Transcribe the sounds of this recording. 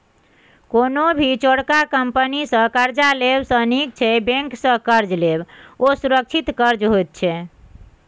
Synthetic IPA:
konobʱit͡ʃoɽkakəmpənisə̃kəɾd͡ʒalebsə̃nik̚t͡ʃʰɛbẽŋksə̃kəɾd͡ʒlebosuɾək̚t͡ʃʰit̪kəɾd͡ʒɦojt̪̚t͡ʃʰɛ

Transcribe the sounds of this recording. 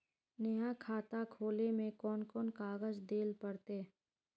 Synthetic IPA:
nəjakʰaːt̪akʰoːlemẽkɔːnkɔːnkaːɡəzd̪eːlpəɽt̪eː

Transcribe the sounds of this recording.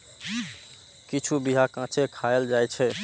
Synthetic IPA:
kit͡ʃʰubiɦakãt͡ʃʰekʰajeld͡ʒajt͡ʃʰɛ

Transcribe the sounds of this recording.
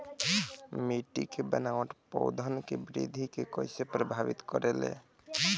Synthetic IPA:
miʈikebənawʈ̪pɔ̰ʊd̪ʱənkebɾḭd̪ʱikekɔɪsepɾəbʱaʋḭt̪kɔɾelḛ̃

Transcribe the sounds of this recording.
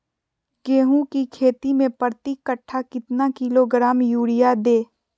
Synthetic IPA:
keːɦũkikʰeːt̪imẽpəɾt̪ikːəʈʰːakɪt̪nakɪloɡɾaːmjuːɽɪjad̪eː

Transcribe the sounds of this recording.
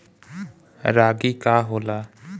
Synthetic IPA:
ɾaːɡiːkaːɦoːlaː

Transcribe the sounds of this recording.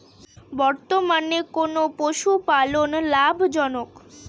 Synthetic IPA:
bɔɾt̪omanekonopoʃupalonlabʱd͡ʒɔnok

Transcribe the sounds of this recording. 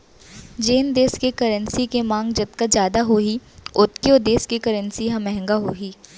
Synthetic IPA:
d͡ʒeːnd̪eːskekɐɾənsikemãːŋɡd͡ʒɐt̪̚kad͡ʒjaːd̪aɦoːɦiʊt̪kiod̪eːskekɐɾənsiɦɐ̃mɛɦɛ̃ŋɡaɦoːɦiː

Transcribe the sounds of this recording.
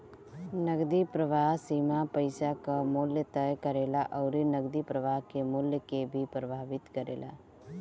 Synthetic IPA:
nəɡd̪ipɾəʋaːɦsiːmapəɪsakamʊljət̪əjkəɾeːlaʔɔːɾinəɡd̪ipɾəʋaːɦkemʊljəkebʱipɾəbʱaːʋɪt̪kəɾḛːla̰ː

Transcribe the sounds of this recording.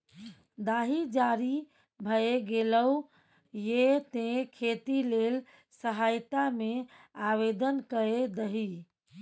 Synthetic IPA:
d̪aɦid͡ʒaɾi | bʱəeɡeləu | jet̪ẽkʰet̪ilel | səɦajt̪ameaβed̪ənkəed̪əɦi

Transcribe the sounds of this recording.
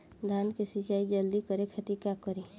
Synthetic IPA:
d̪ʱankesit͡ʃaːid͡ʒəld̪ikəɾekʰət̪ikakəɾe

